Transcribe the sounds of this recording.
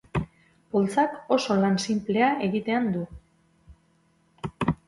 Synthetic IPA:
polt͡sako̞so̞lansimple̞ae̞ɣit̪e̞and̪u

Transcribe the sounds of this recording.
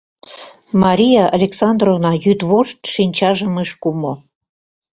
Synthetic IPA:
mɑɾʲijɑʔɑlʲeksɑnd̪rovnɑjyd̪βoʃt̪ʃinʲt͡ɕɑʒəmeʃkumo

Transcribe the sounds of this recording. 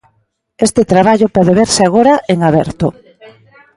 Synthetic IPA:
est̪et̪ɾaβaʎopɔðeβeɾsɪaɣ̞oɾaʔeŋaβɛɾt̪o

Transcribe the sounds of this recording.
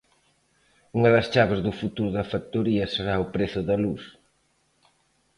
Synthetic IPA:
uŋɐðɐst͡ʃaβɪzðʊfut̪uɾðɐfakt̪oɾiɐseɾaopɾeθʊðɐlus

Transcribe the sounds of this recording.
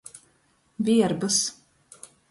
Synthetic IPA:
vʲiɛɾbɨs

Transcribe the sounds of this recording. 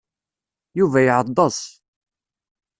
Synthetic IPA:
juvæjʕəd̪ˤːəsˤ

